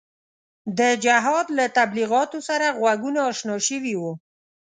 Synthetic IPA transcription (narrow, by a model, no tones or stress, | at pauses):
d̪əd͡ʒaɦɑd̪lat̪abliɣɑt̪osaɾaɣwaɡunaːʃnɑʃəwiwu